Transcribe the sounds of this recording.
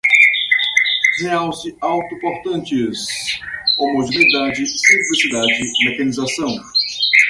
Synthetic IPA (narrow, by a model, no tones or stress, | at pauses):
zẽawsɪawt̪upoɾt̪ɐ̃nt͡ʃɪz | omoʒinid̪ad͡ʒɪsĩmplisid̪ad͡ʒɪmekɐnizasɐ̃w̃